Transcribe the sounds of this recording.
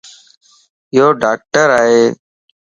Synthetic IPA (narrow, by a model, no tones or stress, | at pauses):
ɪjoːɖaːk̚ʈəɾaːɦeː